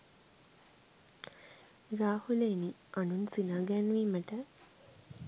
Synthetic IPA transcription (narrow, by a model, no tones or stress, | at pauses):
ɾaːhuleːni | ʔanunsinaːɡænuʋiːməʈə